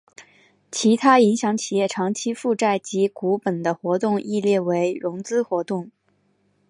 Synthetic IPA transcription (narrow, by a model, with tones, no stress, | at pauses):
t͡ɕʰi˧˥t̪ʰa˥i˧˥ŋɕjɑ˧˥ŋt͡ɕʰi˨˩jɛ˥˩ʈ͡ʂʰɑ˧˥ŋt͡ɕʰi˥fu˥˧ʈ͡ʂa˥˩ɪt͡ɕi˧˥ku˧˥pə˨˩nd̪ə˦xwɔ˧˥t̪ʊ˥˧ŋi˥˧ljɛ˥˩we˧˥ɪɻʊ˧˥ŋt͡sɹ̩˥xwɔ˧˥t̪ʊ˥˩ŋ